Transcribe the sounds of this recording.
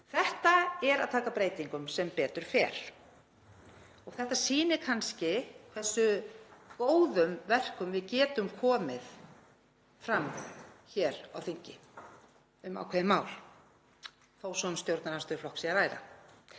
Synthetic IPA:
θɛht̪aɛɾaðt̪ʰaːkapɾeːjt̪iŋkʏmsɛmpɛːt̪ʏɾ̥fɛ̰ːɾ̥ | ɔɣθɛht̪asiːnɪkʰanscɪkθɛsːʏkoːwðʏmvɛr̥kʏmvɪðcɛːt̪ʏmkʰɔːmɪð | fɾamçɛːɾawθiɲcɪ | ʏma̰wkʰvɛðɪmaːwl̥ | θowsɔnst̪jowɾt̪naɾanst̪œɾflɔhksiaɾaːjɾa̰

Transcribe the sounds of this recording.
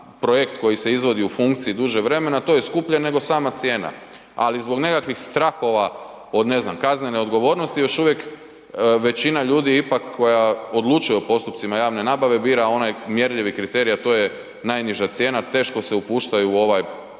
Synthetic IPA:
pɾo̞je̞kt̪ko̞jise̞izʋo̞d̪iufuŋkt̪siid̪uʒeʋɾe̞me̞nat̪o̞jeskupʎane̞ɡo̞saːmat̪sje̞ːna̰ | alizbo̞ɡne̞kakʋixst̪ɾaːxo̞ʋa | o̞d̪ne̞znamkazne̞ne̞o̞d̪ɡo̞ʋo̞ːɾno̞st̪ijo̞ʃuʋje̞k | ʋe̞t͡ɕinaʎuːd̪iipakʰːo̞jao̞d̪lˠut͡ʃujeopo̞st̪upt̪simajaːʋne̞naːbaʋe̞biːɾao̞najmje̞ɾʎiʋikɾit̪e̞ɾijat̪o̞je | najniʒat̪sje̞ːnat̪e̞ːʃko̞seupuːʃt̪ajuːo̞ʋaj

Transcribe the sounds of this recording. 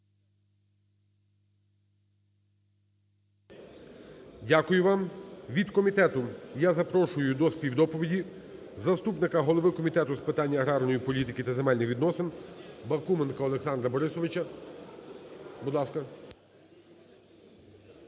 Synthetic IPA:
dʲakʊjʊʋɑmʋʲid̪kɔmʲit̪ɛt̪ʊjazɐpɾɔʃʊjʊd̪ɔspʲiwd̪ɔpɔʋʲidʲizɐst̪upnɪkɐɦɔlˠɔʋɪkɔmʲit̪ɛt̪ʊspɪt̪ɑnʲːɐɐɦɾɑrnɔjipɔlʲit̪ɪkɪt̪ɐzemɛlʲnɪxʋʲid̪nɔsɪnbɐkumenkɐɔlˠeksɑnd̪ɾɐbɔɾɪsɔʋɪt͡ʃɐ | bud̪lˠɑskɐ

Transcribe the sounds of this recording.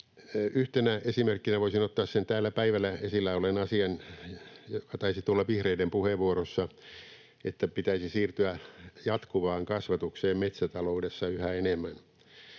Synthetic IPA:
yht̪enæesimerkːinæʋoisinot̪ːɑːssent̪æːlːæpæiʋælːˑæesilːæolenɑsiɑn | jokɑt̪ɑisit̪ulːɑʋihreidempuheʋʋuoɾosːɑ | et̪ːæpit̪æisisiːrt̪yæjɑt̪kuʋɑːŋkɑsʋɑt̪ukseːmmet̪sæt̪ɑloudesːɑyhæenemːæn

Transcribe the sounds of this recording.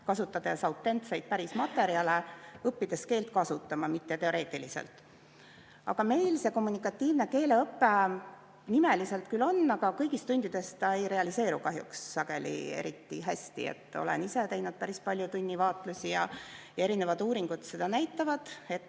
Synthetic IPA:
kɑsut̪ːˑɑd̪̥ɑsɑwt̪ˑːe̞nt̪se̞jd̪̥̚pæɾismɑt̪ːˑe̞ɾiɑle̞ɤpːid̪̥e̞ske̞ːlt̪kɑsut̪ːˑɑmɑmit̪ːe̞t̪e̞o̞ɾe̞ːt̪ːˑilisḛlt̪ˑ | ɑ̰ɡ̥ɑme̞jlse̞ko̞mːunikːˑɑt̪ʲːˑiːvne̞ke̞ːle̞ɤpːe̞ | nime̞lise̞lt̪kylo̞nːɑɡ̥ɑkɤjɡist̪unʲd̪̥id̪e̞st̪t̪ɑe̞jɾe̞ɑlise̞ːɾukɑɦjṵksːɑɡ̥e̞lḭe̞̰ɾit̪ːḭɦæsʲt̪ḭḛt̪ːˑo̞̰lḛnise̞t̪e̞jnud̪̚pæɾispɑlʲjut̪unʲːivɑːt̪ˑlusʲijɑ̰jɑe̞ɾine̞vɑd̪uːɾiŋɡ̥ud̪̥se̞d̪̥ɑnæjt̪ːˑɑvɑd̪̥e̞t̪ː

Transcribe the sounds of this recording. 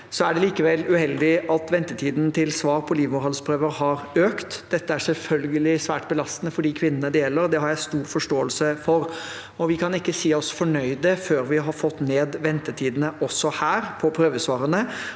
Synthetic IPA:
sɔæɖɛliːkəʋɛlːʉhɛld̪ɪʔɑt̪ʋɛnt̪ət̪ʰiːd̪nt̪ʰɪlsʋɑːɾpʰɔliːʋmʊɾhɑlspʰɾøːʋəɾhɑɾøːkt̪d̪̥ɛt̪ːəæʂɛlfœlɡəlɪsʋæːʈbəlɑst̪ənəfɔɖiːkʰʋɪnːənəd̪jɛːlːəɾd̪ɛhɑɾjæɪst̪uːɾfɔʂʈoːəlsəfɔɾ | ɔʋɪkʰɑnɪkːəsiːɔsfɔɳœʏd̪əføːɾʋɪɦɑɾfɔt̪ːneːd̪ʋɛnt̪ət̪ʰiːd̪nəʔɔsːɔhæːɾpʰɔpʰɾøːʋəsʋɑːɾənə

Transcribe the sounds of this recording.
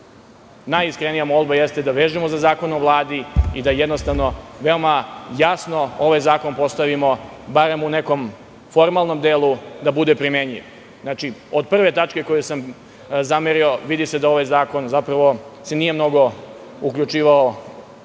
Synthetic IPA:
najiskɾenijamold̪bajest̪ed̪aʋeːʒimozazaːko̞noʋlˠaːd̪iid̪ajed̪nost̪aʋno̞ʋe̞omajasno̞oʋajzaːko̞npo̞st̪aʋimo̞baɾemuneko̞m | fo̞ɾmalˠno̞md̪eːlˠud̪abud̪epɾimeɲḭʋ | znat͡ʃiod̪̚pr̩ʋe̞t̪at͡ʃke̞kojusam | zameɾio̞ʋid̪ised̪ao̞ʋajzaːko̞nzapɾaʋo̞senijemno̞ɡo̞ | ukʎut͡ʂiːʋao

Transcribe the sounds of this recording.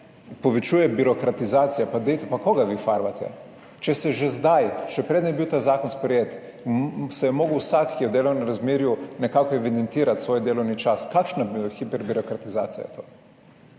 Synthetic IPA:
pɔʋɛt͡ʃuːjɛbiɾɔkɾat̪izaːt̪sijapad̪ɛjt̪ɛpakoːɡaʋifaɾʋat̪ʰɛ̰ | t͡ʃɛsɛʒezd̪ajʃɛpɾed̪nɛjɛbiwt̪aːzaːkɔnspɾɛjeːt̪ | sɛjɛmoːɡəwsakːijɛwd̪eːlɔwnɛmɾazmeːɾjunɛkaːkɔɛʋid̪ɛnt̪iːɾat̪sʋoːjd̪eːlɔwnit͡ʃaskakʃnabxipɛɾbiɾɔkɾat̪iza̰ːt̪sija̰jɛ̰t̪ʰoː

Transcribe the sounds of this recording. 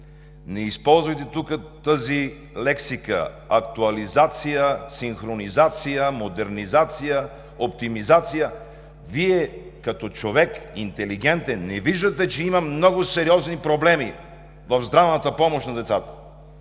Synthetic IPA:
nɛispɔlˠzvɐjt̪ɛt̪ukət̪əzi | lɛksikə̰ɐk̚t̪uɐlizat̪sijəsinxɾonizat̪sijəmod̪ɛɾnizat̪sijə | opt̪imizat̪sijə | viɛkɐt̪ɔt͡ʃovɛkḭnt̪ɛliɡɛnt̪ɛnːɛviʒd̪ət̪ɛt͡ʃɛimɐmnɔɡʊsɛɾiɔznipɾoblɛmi | vɐvzd̪ɾavnət̪əpɔmoʃnɐd̪ɛt̪sat̪ə̥

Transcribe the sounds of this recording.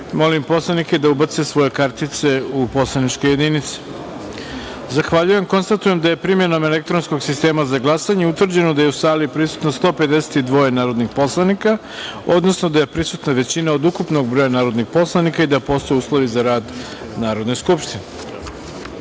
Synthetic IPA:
mo̞limpo̞slˠaniked̪aubat̪sesʋo̞je̞kaɾt̪it̪se̞upo̞slˠanit͡ʃko̞je̞d̪init̪si̥ | zaxʋaʎuje̞mko̞nst̪at̪uje̞md̪aje̞pɾimje̞no̞me̞le̞k̚t̪ɾo̞nsko̞ɡsist̪e̞ːmazaɡlˠasaɲeut̪vr̩d͡ʑe̞nod̪ajeusaːlipɾisu̥t̪nost̪o̞ːped̪ese̥t̪id̪ʋo̞je̞naːɾo̞d̪nixpo̞slˠanika | o̞d̪no̞sno̞d̪aje̞pɾisut̪naʋe̞t͡ɕinaod̪ukupno̞ɡ̚bɾojanaːɾo̞d̪nixpo̞slˠanikaid̪apo̞st̪o̞juːslˠo̞ʋizaɾaːd̪ | naːɾo̞d̪ne̞skupʃt̪ine

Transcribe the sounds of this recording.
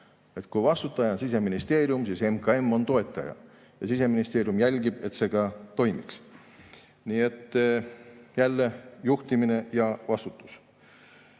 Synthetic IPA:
e̞t̪ˑkujvɑst̪ut̪ːˑɑjɑnsis̬e̞minist̪e̞ːɾjumsiːse̞mkɑe̞mːo̞nt̪o̞e̞t̪ːˑɑjɑ̰ | jɑsise̞minist̪e̞ːɾjumjælʲɡ̥ib̥e̞t̪se̞ɡ̥ɑt̪o̞jmiks | niːe̞t̪ːˑ | jælːe̞juht̪imine̞jɑvɑst̪u̥t̪ːˑu̥s

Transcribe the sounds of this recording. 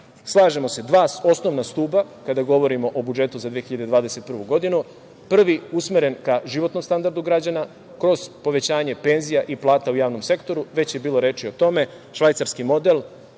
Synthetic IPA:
slˠaːʒe̞mo̞se̞d̪ʋaːso̞sno̞ʋnast̪uːbakad̪aɡo̞ʋo̞ɾimo̞ʔobud͡ʒe̞t̪uzad̪ʋeçiʎad̪ed̪ʋaːd̪e̞se̞t̪̚pr̩ʋuɡo̞d̪inu | pr̩ʋiusmeɾe̞nkaʒiʋo̞t̪no̞mst̪and̪aɾd̪uɡɾad͡ʑana | kɾo̞z̥po̞ʋe̞t͡ɕaːɲe̞pe̞nzijaʔiplˠaːt̪aujaːʋno̞mse̞kt̪o̞ɾuʋe̞t͡ɕje̞biːlˠo̞ɾe̞ːt͡ʃio̞t̪o̞me̞ | ʃʋajt̪saɾskimo̞d̪e̞l

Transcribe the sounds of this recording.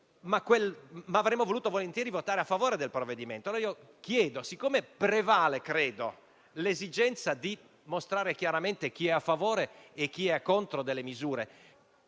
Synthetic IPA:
makwelmaavɾemːovoluːt̪ovolent̪jɛːɾivot̪aːɾeafːavoːɾed̪elpɾovːed̪iment̪ooio | k̟jɛːd̪osikːoːmepɾevaːlekɾeːd̪o | lezid͡ʒɛnt̪sad̪i | most̪ɾaːɾek̟jaɾament̪ek̟iɛafːavoːɾeːk̟ːiɛkːont̪ɾod̪elːemizuːɾe

